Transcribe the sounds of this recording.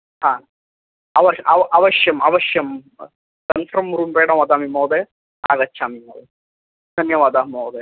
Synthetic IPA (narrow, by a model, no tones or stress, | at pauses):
hãː | ɐʋɐɐʔɐʋɐʃjɐmɐ̰ʋɐʃjɐm | kɐnfɾɐmɾuːmbeːɽɐ̃mʋɐd̪aːmimɐwd̪e | a̰ːɡɐtːʃʰaːmimɐwd̪e | d̪ʱɐnjɐʋaːd̪aːmɐwd̪e